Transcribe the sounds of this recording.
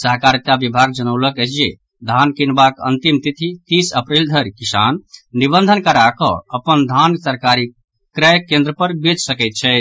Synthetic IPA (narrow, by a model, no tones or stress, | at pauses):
səɦkaɾit̪abibʱaɡ̚d͡ʒənəʊləkəsie | d̪ʱankinbakə̰nt̪imt̪it̪ʰit̪isəpɾeld̪ʱəɾkisa̰nːibənd̪ʱənkəɾakɔ̰̃əpənd̪ʱansəɾkaɾi | kɾəjkẽnd̪ɾəpəɾbed͡ʒsəkɛɪt̪̚t͡ʃʰɛ